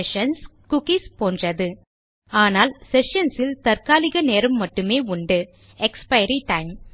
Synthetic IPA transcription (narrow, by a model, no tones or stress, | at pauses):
ʃɐnskʊkispoːndrɐðɯ | aːnaːlsɛʃɐnsɪlt̪ɐɾkaːlɪɣɐneːɾɯmːɐʈːɯmeːʊɳɖɯ | ɛkspɐɪɾiʈɐɪm